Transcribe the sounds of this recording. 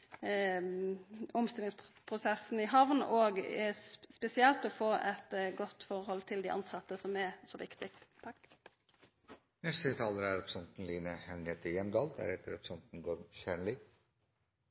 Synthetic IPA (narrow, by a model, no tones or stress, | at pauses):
ɔmst̪ɪlɪŋsppʰʁʊsɛsn̩ɪɦɑʋnoːɡ | spɛsɪɛlt̪ɔfoːʔɛt̪ɡɔt̪ːfɔʁhɔlt̪ʰɪld̪iʔɑ̰nsɑt̪ːəsɔmɛsoːʋɪkt̪ɪ | nɛst̪ət̪ʰɑːləɾæɾɔpɾsɔnt̪n̩liːnəhɛnet̪əjɛmd̪ɑːld̪æ̰ɾhɛt̪ːəɾɔpɾsɔnt̪n̩ɡoːɾʃæɳlɪ